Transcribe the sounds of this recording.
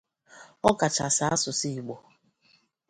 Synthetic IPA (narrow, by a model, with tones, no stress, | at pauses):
ɔ˦ka˨t͡ʃa˨sa˨a˦sʊ˨si˦i˨ɡ͡bo˨